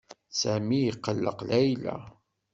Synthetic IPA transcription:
sæmijiqːəlːə̰qlæjlæ̰

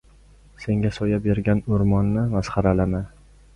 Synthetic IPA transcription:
se̞ŋɡʲasojabeɾɡʲanʊɾmɒnːɪmasχɑɾalama

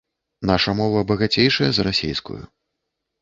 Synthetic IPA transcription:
naʂɐmɔvɐbɐɣat͡sʲejʂɐjɐzɾasʲḛjskṵjṵ

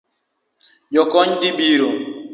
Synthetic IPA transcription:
jɔkɔɲdibiɾo

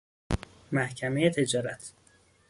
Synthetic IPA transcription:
mæhcʰæmejet̪ʰed͡ʒɒːɾæt̪ʰ

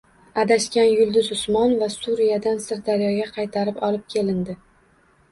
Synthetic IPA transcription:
ad̪aʃkʲanjʊlˠd̪ʊzʊsmɒnvasuɾijad̪ansɪɾd̪aɾjɒɡʲaqʰɑjt̪ʰaɾɪpɒlɪp̚kʲʰe̞lɪnd̪ɪ

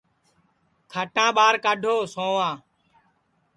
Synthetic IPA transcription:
kʰəʈãːɓaːɾkaɖʱoːsõːʋãː

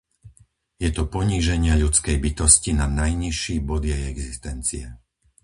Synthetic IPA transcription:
jɛt̪ɔpɔɲiːʒɛɲɪaʎut͡skɛjbit̪ɔscinanajɲiʃːiːbɔd̪jɛjɛɡzist̪ɛnt͡sḭɛ

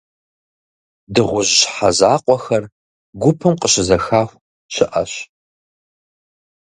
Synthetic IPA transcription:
dɨʁʷʊʑɕħazaːqʷʼɔxɐr | ɡʷʊpʰɨmqəɕɪzɐxaːxʷ | ɕɪʔɐ̰ɕ

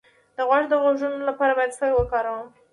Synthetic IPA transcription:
d̪əɣwaʈd̪əɣoʒunolapɑɾabɑjad̪sajwəkɑɾawəm

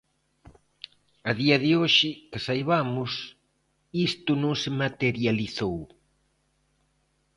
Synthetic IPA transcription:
ɐðiɐðɪoʃɪkɪsajβamʊs | ist̪ʊnõŋsɪmat̪eɾjaliθow

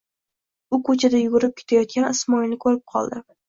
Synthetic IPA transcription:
ʊkʰɵt͡ʃʰad̪ajʊɡʊɾɪp̚kʲʰet̪ʰajɒt̪̚kʲanɪsmɒjnɪkʰɵɾɪp̚qʰɒ̰lˠd̪ɪ

